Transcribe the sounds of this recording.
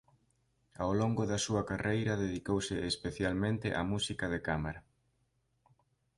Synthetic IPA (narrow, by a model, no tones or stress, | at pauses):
awloŋɡoðɐsuɐkarejɾɐðeðikowsɪespeθjalmẽnt̪ɪ̰ʔa̰musikɐðekameɾɐ